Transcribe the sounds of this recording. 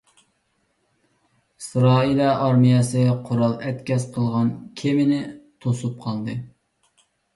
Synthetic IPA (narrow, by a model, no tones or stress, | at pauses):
isɾɑːilˠɑʔɑɾmijɛsɨqʰʊɾɑlˠɛt̪kʲʰɛsqʰəlˠʁɑnkʲʰemɪnɪt̪ʰosup̚qʰɑlˠd̪ɨ